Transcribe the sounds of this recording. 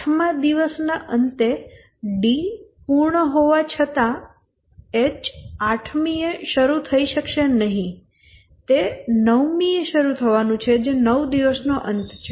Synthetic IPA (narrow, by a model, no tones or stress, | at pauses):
ʈʰmãd̪iʋəsnaʔənt̪e | ɖipuɾɳəɦoʋat͡ʃʰət̪a | et͡ʃaʈʰmieʃəɾut̪ʰəiʃəkʃenəɦĩ | t̪enəʋmieʃəɾut̪ʰəʋanũt͡ʃʰed͡ʒenəʋd̪iʋəsnoʔənt̪t͡ʃʰe